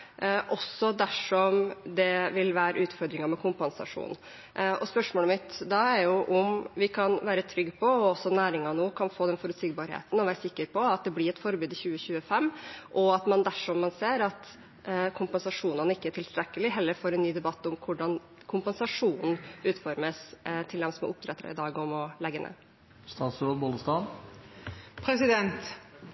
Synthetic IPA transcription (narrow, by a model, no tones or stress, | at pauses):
ʔɔsɔd̪æʂɔmd̪ɛʋɪlʋæːɾə̰ʉːt̪fɔɾd̪ɾɪŋɑɾmɛkʰʊmpənsɑ̰ʂṵːn | ɔspœʂmoːləmɪt̪d̪ɑæɾjʊʔʊmʋɪkʰɑnʋæːɾət̪ʰɾʏɡːpʰɔɔsːɔnæːɾɪŋɑnoːkʰɑnfoːd̪ɛnfɔɾʉːt̪siːɡbɑɾhḛːt̪n̩ɔʋæːɾəsɪkːəɾpʰɔɑt̪̚d̪ɛblɪɾɛt̪fɔɾbʉːd̪ɪçʉːəçʉːəfɛmːʔɔɑt̪mɑnd̪æʂɔmːɑnseːɾɑt̪ | kʰʊmpɛnsɑʂuːnənɪkːəæʈʰɪlst̪ɾɛkːəlɪɦɛlːəɾfoːɾɛnːyːd̪ɛbɑt̪ːʊmkʰʊɖɑn | kʰʊmpɛnsɑʂuːnn̩ʉːt̪fɔɾməst̪ʰɪld̪ɛmsmɔ̰ʔʊp̚t̪ʰɾɛt̪ːɾɑ̰ɪ̰d̪ɑːɡɔmɔlɛɡːənḛː | st̪ɑːt̪sɾoːd̪boləst̪ɑn | pʰɾɛsɪd̪ɛnt̪